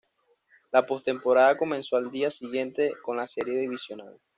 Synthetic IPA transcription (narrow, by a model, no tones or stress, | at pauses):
lapo̞st̪e̞mpo̞ɾaðako̞mẽnso̞ald̪iasiɣje̞nt̪e̞ko̞nlase̞ɾje̞ðiβisjo̞nal